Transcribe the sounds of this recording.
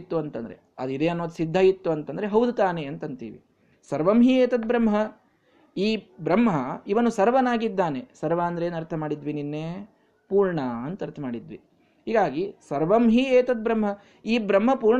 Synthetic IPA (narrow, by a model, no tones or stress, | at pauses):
t̪ːuɐnt̪ɐnd̪ɾḛ | ɐ̰d̪id̪eːɐnːoːɐd̪sid̪ʱːɐjit̪ːuɐnt̪ɐnd̪ɾeɦɐwd̪ʱut̪aːneɐnt̪ɐnt̪ḭːʋḭ | sɐɾʋɐmɦieːt̪ɐd̪̚bɾɐmɦɐ | iːbɾɐmɦɐiʋɐnːusɐɾʋɐnaːɡid̪ːaːnesɐɾʋaːɐnd̪ɾeːnɐɾt̪ʰɐmaːɽid̪ʋininːe | puːɾɳɐɐnt̪ɐɐɾt̪ʰɐmaːɽid̪ʋḭ | ɦiːɡaːɡisɐɾʋɐmɦieːt̪ɐd̪̚bɾɐmɦɐ | iːbɾɐmɦɐpuːɾɳ